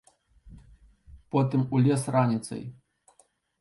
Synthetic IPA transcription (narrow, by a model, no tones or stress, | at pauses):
pɔt̪ɨmulʲɛsranʲit̪sɐ̰j